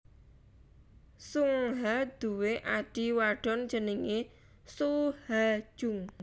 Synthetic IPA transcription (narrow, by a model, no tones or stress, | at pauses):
suŋɦad̪̥uweʔaɖ̥iwaɖ̥ɔ̤n̥d͡ʒəniŋe | suhḁʒ̥ʊŋ